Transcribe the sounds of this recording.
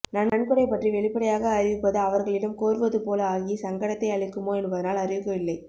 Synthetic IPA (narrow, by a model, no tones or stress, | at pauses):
nɐnːɐɳkɯɽɐɪpɐʈriʋɛɭɪpːɐɽɐjaːɣɐːɾɪʋɯpːɐðɯɐʋɐɾɣɐɭɪɽɐmkoːɾɯʋɐðɯpoːlɐaːɣisɐŋɡɐɽɐt̪ːɐɪɐɭɪkːɯmoːɛnbɐðɐnaːlɐrɪʋɯkːɐʋɪlːɐɪ